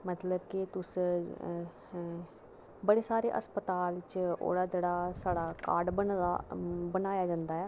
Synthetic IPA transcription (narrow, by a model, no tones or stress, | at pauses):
mət̪ləbkit̪ʊs | bəɽeːsaːɾḛːʔə̰spət̪aːlɪt͡ʃo̰ːɽaːd͡ʒeːɽaːsaːɽaːkaːɖbə | bənaːjaːd͡ʒãːnd̪aːɛː